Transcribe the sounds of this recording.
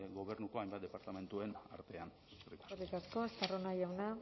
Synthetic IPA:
ɡo̞βe̞ɾnuko̞ajmbat̪d̪e̞paɾt̪ame̞nt̪ue̞na̰ɾt̪e̞ansu̥skɾikarik̪asko̞est̪aronajawna

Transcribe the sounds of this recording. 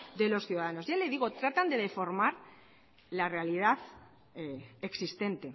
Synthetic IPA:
d̪e̞lo̞sθjuðaðano̞zʝaleð̞iɣo̞t̪ɾat̪and̪e̞ðe̞fo̞ɾmaɾ | lare̞aliðaθ | eksist̪e̞nt̪e̞

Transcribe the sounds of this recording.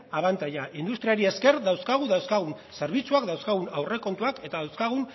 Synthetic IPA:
aβant̪aʎaʔind̪ust̪ɾiaɾie̞ske̞ɾðawskaɣ̞uðawskaɣ̞un | se̞ɾβ̞it͡suakd̪awskaɣunawre̞ko̞nt̪uake̞t̪aðawskaɣ̞un

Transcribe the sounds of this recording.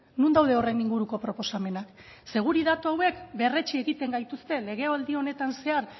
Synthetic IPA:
nund̪awðe̞o̞rejniŋɡuɾuko̞pɾo̞po̞same̞nak | se̞ɣ̞uɾið̞at̪uawe̞kbe̞re̞t͡ʃie̞ɣit̪e̞ŋɡajt̪ust̪e̞le̞ɣ̞e̞old̪io̞ne̞t̪anse̞aɾ

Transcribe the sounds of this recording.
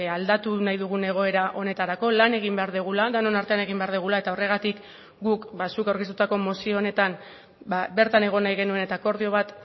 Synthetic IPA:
ald̪at̪unajðuɣ̞une̞ɣ̞o̞e̞ɾaʔo̞ne̞t̪aɾako̞lane̞ɣ̞imbe̞aɾðuɣ̞ulaðano̞naɾt̪e̞ane̞ɣ̞imbe̞aɾðuɣ̞ulae̞t̪ao̞re̞ɣ̞at̪ik | ɡukbasukawɾkest̪ut̪ako̞mo̞sio̞ːne̞t̪am | babe̞ɾt̪ane̞ɣ̞o̞najɣe̞nue̞ne̞t̪ako̞ɾð̞io̞β̞at̪

